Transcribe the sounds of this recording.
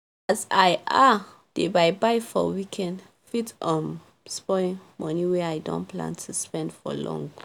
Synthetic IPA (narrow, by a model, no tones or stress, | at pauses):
azajʔa | d̥ebaɪbaɪfɔ̰wikʰɛ̃nd | fitɔ̃m | spɔĩŋmɔniwɛajdɔ̰̃nplã̰ntʰuspɛ̃ndfɔ̰lɔ̰̃ŋ